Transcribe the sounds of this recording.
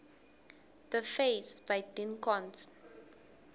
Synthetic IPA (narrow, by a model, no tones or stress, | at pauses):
ðəfesbajdĩnkɔ̃ns